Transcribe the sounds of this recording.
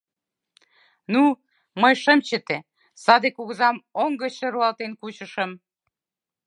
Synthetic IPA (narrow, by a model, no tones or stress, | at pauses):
nu | məjʃəmt͡ɕə̆t̪e | sɑd̪ekuɣəzɑmoŋɡə̆t͡ɕəɾuɑlt̪enkut͡ɕəʃəm